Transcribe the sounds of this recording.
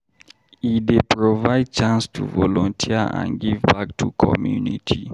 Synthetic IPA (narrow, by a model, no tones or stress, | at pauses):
idepɹovaɪd̚t͡ʃãnstʰuvɔlɔ̃ntʰiəã̰nɡivbak̚tʰukʰɔ̰mjunitʰi